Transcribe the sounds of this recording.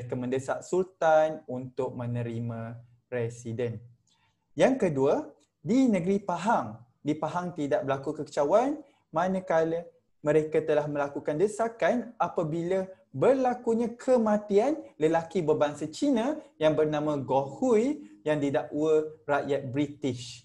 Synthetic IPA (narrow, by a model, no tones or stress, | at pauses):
kəmə̃ndəsaʔsult̪anunt̪ʊk̚mə̃nə̃ɾimã | ɾɛsidɛn | jaŋkədua | dinə̃ɡɾipaɦaŋ | dipaɦaŋt̪idaʔ̚bəɾlakukəkə̥t͡ʃawan | mãnə̃kalə | mə̃ɾekat̪əlahmə̃lakukandəsakanapabila | bərlakuɲãkʰəmãt̪ianləlakibəbaŋsat͡ʃinãjaŋbərnãmãɡohujjaŋdidaʔwəraʔjat̪̚bɾit̪ɪʃ